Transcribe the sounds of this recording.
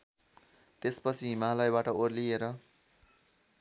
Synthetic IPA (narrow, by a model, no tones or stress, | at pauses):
t̪espʌt͡sʰiɦimalʌjbaʈʌorlieɾʌ